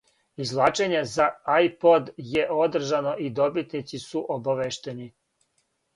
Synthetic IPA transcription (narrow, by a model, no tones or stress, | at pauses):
izlˠaːt͡ʃe̞ɲe̞zaajpo̞d̪je̞ʔo̞d̪r̩ʒano̞ʔid̪o̞bit̪nit̪sisuʔobaʋeʃt̪e̞ni